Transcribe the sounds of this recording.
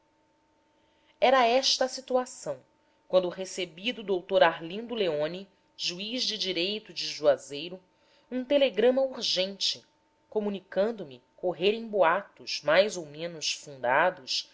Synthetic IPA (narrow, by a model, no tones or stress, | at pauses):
ɛɾɐɛʃt̪ɐsit̪uasɐ̃w̃ | kwɐ̃nd̪ʊɦesebid̪ʊud̪owt̪oɾaɾlĩnd̪ʊleõni | ʒuiʒd͡ʒɪd͡ʒiɾejt̪ʊd͡ʒɪʒuazejɾʊ | ũt̪eleɡɾɐ̃mɐuɾʒẽnt͡ʃɪ | komũnikɐ̃nd̪ʊmɪ | koɦeɾẽj̃boat̪ʊʃmajzowmẽnʊsfũnd̪ad̪ʊs